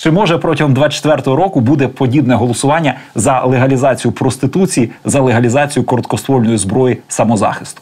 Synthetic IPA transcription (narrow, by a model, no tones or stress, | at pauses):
t͡ʃɛmɔʒɛpɾɔtʲiɦɔmd̪ʋɑt͡ʃe̥t̪ʋɛrt̪ɔɦɔɾɔkʊbud̪ɛpɔdʲibnɛɦɔlˠɔsʊʋɑnʲːɐzɐlˠeɦɐlʲizɑt͡sʲijʊpɾɔst̪ɪt̪ut͡sʲijizɐlˠeɦɐlʲizɑt͡sʲijʊkɔɾɔt̪kɔst̪ʋɔlʲnɔjizbɾɔjisɐmɔzɑ̰xɪst̪ʊ̥